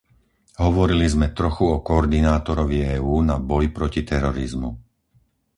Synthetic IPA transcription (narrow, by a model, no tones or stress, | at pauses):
ɦɔʋɔɾilizmɛt̪ɾɔxuɔkɔːɾd̪inaːt̪ɔɾɔʋiɛːuːnabɔjpɾɔcit̪ɛɾɔɾizmu